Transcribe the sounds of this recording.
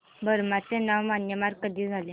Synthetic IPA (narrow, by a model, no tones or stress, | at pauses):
bəɾmat͡sẽnawmanjəmaɾkəd̪iːd͡zʱalẽ